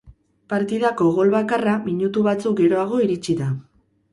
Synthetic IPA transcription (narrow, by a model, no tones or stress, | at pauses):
paɾt̪iðako̞ɣo̞lβakaramiɲut̪uβat͡suk̚ɡe̞ɾo̞aɣ̞o̞iɾit͡ʃiða